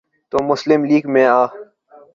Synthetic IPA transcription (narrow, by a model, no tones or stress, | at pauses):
t̪oːmʊslɪmliːɡmẽːaː